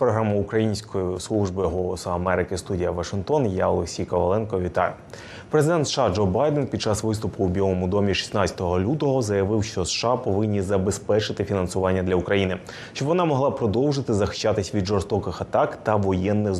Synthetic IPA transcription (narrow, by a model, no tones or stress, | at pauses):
pɾɔɦɾamʊʊkɾɐjinʲsʲkɔjislˠuʒbɪɦɔlˠɔsɔɐmɛɾɪkɪst̪udʲijɐʋɐʂɪnkt̪ɔnjaɔlˠeksʲijkɐʋɐlˠɛnkɔʋʲit̪ɑ̰jʊ | pɾezɪd̪ɛnt̪sʃɑd͡ʒɔbɑjd̪ɛnpʲid̪t͡ʃɑsʋɪst̪ʊpʊːbʲilˠɔmʊd̪ɔmʲiʃi̥snat͡sʲɐ̥t̪ɔɦɔlʲut̪ɔɦɔzɐjɐʋɪwʃt͡ʃɔsʃɑpɔʋɪnʲːizɐbespɛt͡ʃɪt̪ɪfʲinɐnsʊʋɑnʲːɐd̪lʲɐukɾɐjinɪ | ʃt͡ʃɔbʋɔnɑmɔɦlˠɑpɾɔd̪ɔwʐɪt̪ɪzɐxɪ̥ʃt͡ʃːat̪ɪsʲʋʲid̪ʒɔrst̪ɔkɪxɐt̪ɑkt̪ɐʋɔjɛnːɪx